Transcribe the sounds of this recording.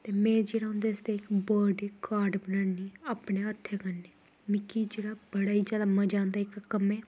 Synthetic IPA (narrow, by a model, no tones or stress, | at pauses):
t̪eːmɛ̃ːd͡ʒeːɽaːɦʊ̃nd̪eːəst̪eːɪkboːɾɖiːkaːɾɖbənaːniːaːpɳeːət̪ʰːeːkənːeː | mɪkiːd͡ʒeːɽaːbəɽaːiːd͡ʒaːlaːməd͡ʒãːnd̪aːɪkkəmɛː